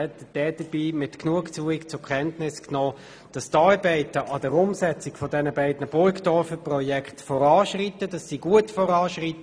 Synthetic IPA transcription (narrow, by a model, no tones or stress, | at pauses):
ɛt̪əd̥ɛːdəb̥iːmɪtknuəkt͡suːɪkt͡sʊkʰɛntnɪsknɔː | d̥ɑstɑːɹbɛɪtəʔɑd̥əɾʊmsɛt͡sɪkfɔdɛnəbæɪd̥nəb̥ʊɪktɔfəprɔjɛkχtfɔɾɑːʃʁitəd̥ɑsːiɡ̥uətfɔʁɑːʃʁitə